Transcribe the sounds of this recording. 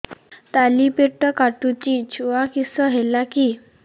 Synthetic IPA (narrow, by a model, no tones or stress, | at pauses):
t̪alipeʈəkaʈut͡ɕiːt͡ɕʰuʋakisəɦelakiː